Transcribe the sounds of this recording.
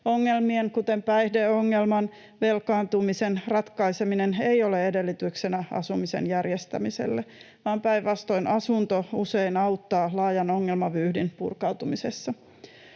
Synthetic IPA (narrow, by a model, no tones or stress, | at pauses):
oŋːelmieŋkut̪empæjhdeoŋːelmɑn | ʋelkɑːnt̪umisenrɑt̪kɑisemineneioleedelːit̪yksenæɑ̰sumisḛnjærjest̪æ̰mise̞̰lːe | ʋɑːmpæjʋʋɑst̪o̞inʔɑsunt̪ouseinɑut̪ːɑːlɑːjɑno̞ŋːelmɑʋyːhdinpṵrkɑuwt̪umisesːɑ